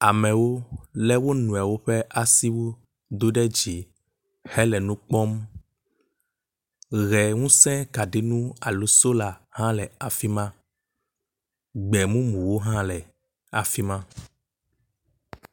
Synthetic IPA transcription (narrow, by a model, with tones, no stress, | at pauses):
a˨mɛ̃˨wo˦lɛ˦wo˦nũ˨a˨wo˦ɸɛ˦ʔa˦si˦wo˦ | d̪o˦ɖɛ˦d͡ʒi˨ | hɛ˦lɛ˨nũ˦k͡pɔ˦m | ɣɛ˨ŋũ˦sɛ̃˦ka˨ɖe˦nũ˦a˨lo˦so˦la˨hã˦lɛ˨a˨fi˦mã˦ | ɡ͡bɛ˨mũ˦mũ˨wo˦ɦã˦lɛ˨ | a˨fi˦mã˦